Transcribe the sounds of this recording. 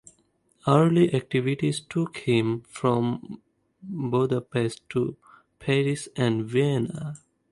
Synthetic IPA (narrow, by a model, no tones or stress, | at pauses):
əɾliʔæk̚ʈiʋiʈizʈʰukhɪ̃mfɾɔ̃m | boːd̪əpesʈʈːu | pʰɛɾisæ̃ɳɖʋiɛna